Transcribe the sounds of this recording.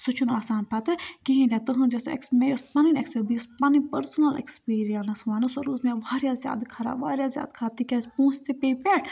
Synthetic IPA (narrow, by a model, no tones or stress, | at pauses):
sut͡ʃʰunaːsaːnpʰɐt̪ɨkiɦĩd̪ʲjaːt̪ɨɦɨ̃nd͡ʒesoḛksmespɐninekspeɾbispɐnipɐɾsnɐlḛkspiːɾijɐnɐsʋaːnɨsɐɾuːzmẽʋaːɾijazja̰ːd̪kʰɐɾa̰ːʋa̰ːɾjazja̰ːd̪kʰɐɾaːt̪ikʲɐspũːst̪ipeːpeʈ